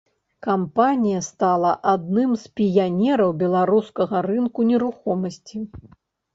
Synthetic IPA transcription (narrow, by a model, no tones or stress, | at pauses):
kampanʲijɐst̪alˠɐʔad̪nɨmspʲijanʲɛɾɐwbʲɛlˠaɾuskɐɣɐɾɨnkunʲɛɾuxɔmɐsʲt͡sʲi